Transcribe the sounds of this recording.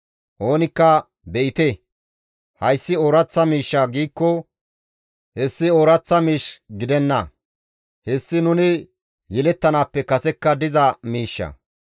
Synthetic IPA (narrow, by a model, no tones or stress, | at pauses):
ʔo̞ːnɪkːɐ | bɛʔɪt̪e | hɐjsːɪoːɾɐt͡sːɐmiːʃːaːɡiːkːɔ | hɛsːɪoːɾɐt͡sːɐmiːʃɡɪd̪ɛnːɐ̰ | hɛsːɪnʊnɪ | jɛlɛt̪ːɐnaːpːɛkɐsɛkːɐd̪ɪzɐmiːʃːɐ̰